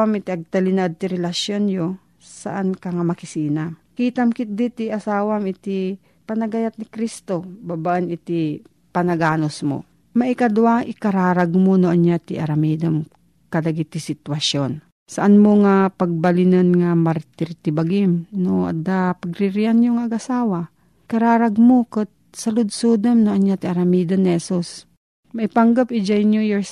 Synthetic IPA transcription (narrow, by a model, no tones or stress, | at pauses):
amɪt̪iʔɐɡ̚t̪ɐlɪnad̪̚t̪ɪɾɛlɐsjonjo | sɐ̰ʔankɐŋamɐkɪsiːnakiːt̪ɐmkɪt̪̚d̪it̪iʔɐsaːwamɪt̪i | pɐnɐɡɐjat̪̚nɪkɾist̪obabaʔɐnɪt̪i | pɐnɐɡaːnosmo̰ | mɐʔikɐd̪uaʔɪkɐɾaːɾaɡmonoʔɐnjat̪ɪʔɐɾɐmiːd̪om | kɐlɐɡit̪ɪsɪt̪wɐʃjon | sɐʔanmoŋapɐɡ̚bɐlɪnanŋamaɾt̪ɪɾt̪ɪbaɡɪmnoʔa̰d̪apɐɡɾɪɾɪanjoŋɐɡasaːwa | kɐɾaːɾaɡmokɨt̪̚ | sɐlʊd̪suːd̪amnoʔɐɲjat̪ɪʔɐɾɐmid̪anːɪhɛsus | mɐʔipaŋɡapʔɪd͡ʒajnujɛɹs